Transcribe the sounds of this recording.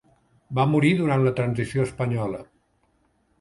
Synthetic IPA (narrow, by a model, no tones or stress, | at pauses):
bamuɾiðuɾant̪lət̪ɾənzisioəspəɲɔlə̰